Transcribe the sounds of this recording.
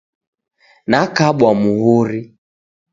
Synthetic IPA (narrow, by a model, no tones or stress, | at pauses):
nakaɓwamuɦuɾi